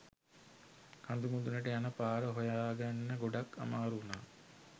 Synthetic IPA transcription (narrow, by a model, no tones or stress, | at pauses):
kʰand̪umud̪unəʈəjanəpaːɾəɦojaːɡanːəɡoɖakːa̰maːɾunaː